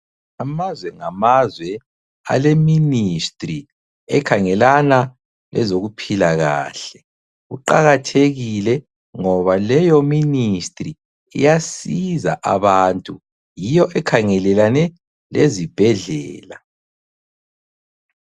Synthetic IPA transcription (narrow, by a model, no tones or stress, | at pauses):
amazwɛŋamazwɛ | a̰leministʼri | ɛkʰaŋɛlana | lɛ̰zoɣupʰilaɣa̰ːɬɛ | ɣuǃaɣatʰeɣilɛ | ŋɔβalɛjoministʼri | ḭjasiza̰ʔaβaːntʼu | jijɔʔɛkʰaŋɛlɛlanɛ | lezib̥ʱɛɮɛːla